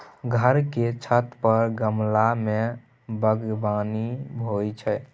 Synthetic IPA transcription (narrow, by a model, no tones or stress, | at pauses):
ɡʱəɾket͡ʃʰət̪pəɾɡəmlame | bəɡbanibʱojt͡ʃʰɛ